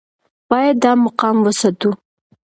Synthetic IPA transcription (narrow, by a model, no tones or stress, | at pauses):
b̥ɑjad̪ːɑmaqɑmwəsat̪u